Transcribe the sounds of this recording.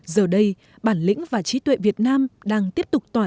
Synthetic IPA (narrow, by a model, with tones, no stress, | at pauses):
zəː˨˩ɗə˧j | ɓaː˧˩nlḭ̈˧˥ŋ̟vaː˨˩t͡ɕi˨˦t̪wḛ˧˨vi˨˩ət̚naː˧mɗaː˧ŋt̪i˦˥əp̚t̪ʊ˨˩k͡p̚t̪waː˨˩